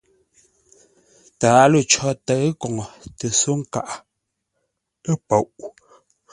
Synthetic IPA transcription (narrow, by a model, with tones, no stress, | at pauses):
taː˨˦lo˦˨t͡ʃɔ˦tə˨˦kɔ˨ŋɔ˨tə˨so˦ŋ̩˦˨ka̰˨ʔa˨ | ə˦po˨wʔ